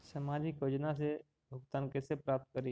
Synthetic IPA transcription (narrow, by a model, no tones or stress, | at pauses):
səmad͡ʒɪkjoːd͡ʒnas̬e | bʱʊkt̪aːnkesepɾaːp̚t̪̚kəɾi